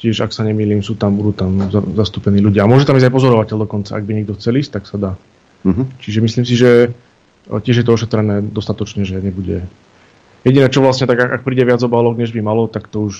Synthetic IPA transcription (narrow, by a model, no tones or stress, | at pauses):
cɪɛʒaksaɲɛmiːliːmsuːt̪amudut̪amzazast̪uːpɛniːluɟɪamʊɔʒɛt̪amiːzɟajpɔzɔɾɔʋacɛʎd̪ɔkɔnt͡saaɡ̚biɲɛɡ̚d̪ɔxt͡sɛliːsc̚t̪aksad̪aː | t͡ʃiʒɛmisliːmsiʒɛ | cɪɛʒjɛt̪ɔɔʃɛt̪ɾɛnɛːd̪ɔst̪at̪ɔt͡ʃɲɛʒɛɲɛbuɟɛ | jɛɟinɛːt͡ʃɔʋlasɲɛt̪aɡakak̚pɾiːɟɛʋɪad͡zɔbaːlɔɡɲɛʒbimalɔt̪akt̪ɔuʃ